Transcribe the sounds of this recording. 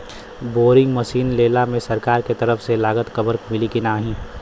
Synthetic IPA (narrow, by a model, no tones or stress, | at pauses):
boːɾɪ̃ŋɡməsiːnleːlamẽsɐɾkaːɾket̪əɾəfʰselaːɡət̪kəbəɾkmɪlikinaːɦĩː